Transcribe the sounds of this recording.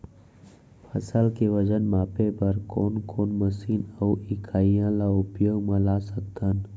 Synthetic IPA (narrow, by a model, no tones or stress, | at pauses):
pʰəsəlkeʋəd͡ʒənmaːpepəɾkoːnkoːnməsiːnəuɪkʰaːijãlaʊpjoːɡmãlaːsək̚t̪an